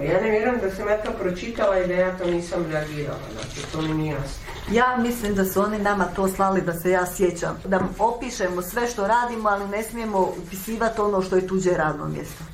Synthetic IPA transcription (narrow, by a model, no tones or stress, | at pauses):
jaːneʋjeɾyemd̪asamjak̪opɾot͡ʃit̪alaid̪ajaːt̪oniːsamɾeaɡiːɾa̰la̰zna̰ːt͡ʃit̪oːminijɛosno | jaːmisliːmd̪asuo̞ninamat̪o̞ːslˠalid̪ase̞jaːsjet͡ɕa̰md̪ao̞piːʃemo̞sʋe̞ʃt̪o̞ɾaːd̪iːmoaline̞smije̞mo̞upisiːʋat̪o̞noːʃt̪oje̞t̪ud͡ʑeɾaːd̪no̰mjḛst̪o